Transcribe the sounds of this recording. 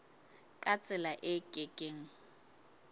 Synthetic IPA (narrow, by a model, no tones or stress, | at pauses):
kʼat͡sʼɪlaʔɪkʼekʼeːŋ̩